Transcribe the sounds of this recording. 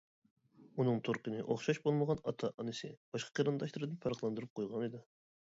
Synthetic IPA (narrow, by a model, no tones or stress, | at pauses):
unɨŋt̪ʰoɾqənɨʔoχʃɑʃbolˠməʁɑnɑt̪ʰɑʔɑnɨsɪb̥ɑʃqʰɑ̥qʰiɾɨnd̪ɑʃlˠɨɾɨd̪ɨnpʰɑɾχlˠɑnd̪ɨɾup̚qʰojʁɑnɨd̪ɪ